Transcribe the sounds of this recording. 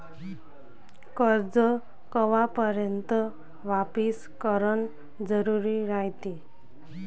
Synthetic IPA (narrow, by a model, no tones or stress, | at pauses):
kəɾd͡zə | kəʋapəɾjənt̪ə | ʋapis | kəɾəɳ | d͡zəɾuɾiɾait̪i